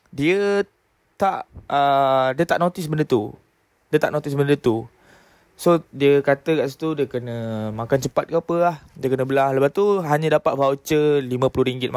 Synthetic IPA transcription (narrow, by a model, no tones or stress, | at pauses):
diə | t̪aʔədiət̪aʔnot̪ɪsbəndət̪u | diət̪aʔnõt̪isbəndət̪u | sodiəkat̪əkaʔsit̪udiəkənə̃mãkant͡ʃəpat̪̚kəapəahdiəkənə̃bəlahləpaht̪uɦaɲə̃dapat̪̚fawt͡ʃəlimə̃pulʊhɾiŋɡɪt̪̚ma